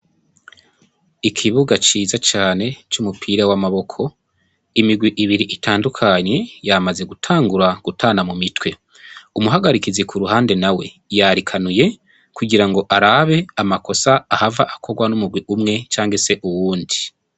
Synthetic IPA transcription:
ikʰiβuɡat͡ʃiːzat͡ʃaːne̞t͡ʃumupʰiːɾawamaβo̞kʰo̞ | imiɡwiʔiβiɾiʔitʰaːndukʰaɲe̞jamaze̞ɡutʰaːŋɡuɾaɡ̥utʰaːnamumitwe̞ | umuɦaɡaɾikizikuɾuɦaːnde̞nawe̞ | jaɾikʰanuje̞ | kuɡiɾaŋɡo̞ʔaɾaβe̞amako̞saːhavaʔakʰo̞ɡwanumuɡwiʔumŋe̞t͡ʃaːŋɡe̞se̞ʔuwuːndi

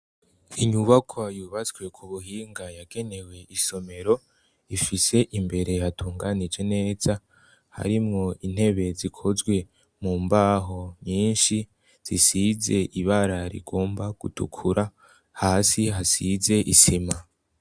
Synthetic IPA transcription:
iɲuβakʰwajuβat͡swe̞kʰuβuɦiːŋɡajaɡ̥e̞ne̞we̞ʔiso̞me̞ɾo̞ | ifise̞ʔimbe̞ɾe̞hatʰuːŋɡanid͡ʒe̞ne̞ːz̥a | ha̰ɾimŋo̞in̥he̞βe̞zikʰo̞zɡwe̞ | muːmbaːɦo̞ɲiːnʃi | z̥isize̞ʔiβaɾaɾḭɡo̞ːmbaɡ̥utṵkʰuɾʔa | haːsiɦasize̞ʔisima

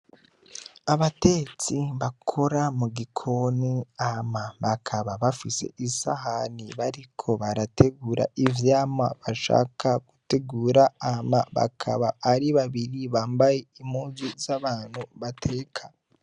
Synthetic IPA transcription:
aβate̞t͡siβakʰo̞ɾamuɡikʰo̞niamaβakʰaβaβafise̞̰ʔisa̰ɦaniβaɾikʰo̞βaɾatʰe̞ɡuːɾa̰ivjaːmaβaʃa̰ːkʰaɡute̞ɡuːɾaamaβa̰kʰa̰βaːɾiβaβiɾiβaːmbajeimuːzuzaβaːn̥huβatʰe̞ːkʰḁ

